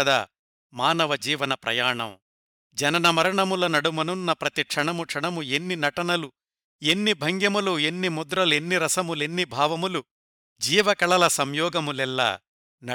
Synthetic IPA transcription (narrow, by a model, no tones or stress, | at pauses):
d̪ɐ̰ | maːnɐʋɐd͡ʒiːʋɐnɐpɾɐ̰jaːɳɐ̰m | d͡ʒɐnɐnɐmɐɾɐɳɐmulɐnɐɽumɐnunːɐpɾɐt̪ikʂɐɳɐmuʂɐɳɐmue̞nːinɐʈɐnɐlu | e̞nːibʱɐŋɡjɐmulue̞nːimud̪ɾɐlue̞nːiɾɐsɐmulenːibʱaːʋɐmulu | d͡ʒiːʋɐkɐɭɐlɐsɐmjɔːɡɐmulɛlːɐ̰ː | nɐ